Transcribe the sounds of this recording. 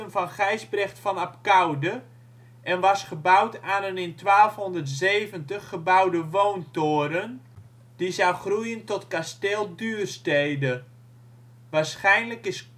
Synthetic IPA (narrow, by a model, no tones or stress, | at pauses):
ənfɑnχɛjzbrɛxtfɑnapkawdə | ʔɛnʋɑsχəbawtaːnənɪntʋaːlˠfɦɔndərtzejvəntəχːəbawdəʋowntʊːɾən | d̥izawχrujəntɔtkasteːlˠdyːrstejdə | ʋaːɹsχɛjnləkɪs